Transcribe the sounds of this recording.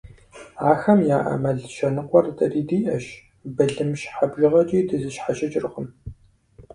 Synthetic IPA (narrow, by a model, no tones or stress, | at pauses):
aːxɐmjaːʔɐ̰mɐɮʃɐnɨqʷɔrtʰɐriːdiːʔɐʃ | bɨɮɨmʃħabʒɪʁɐt͡ʃʼiːdɨzɨʃħaʃɐt͡ʃʼɪrχʷʊm